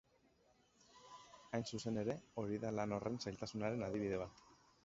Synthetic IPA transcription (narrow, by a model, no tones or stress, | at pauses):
ajnsuse̞ne̞ɾe̞o̞ɾiðalano̞rʔe̞nsajlt̪asunaɾe̞naðiβ̞iðe̞β̞at̪